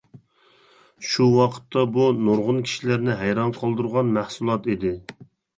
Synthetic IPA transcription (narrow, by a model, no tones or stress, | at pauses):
ʃuwɑqʰə̥t̪ʰːɑbunoɾʁʊnkʲʰi̥ʃilæɾnɪɦæjɾɑnqʰəlˠd̪uɾʁɑnmæhsulˠɑt̪id̪ɪ